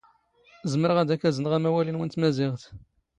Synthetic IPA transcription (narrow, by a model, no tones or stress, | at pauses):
zəməɾəʁæd̪ækːæzənʁæmæwælinwənt̪mæzɪʁθ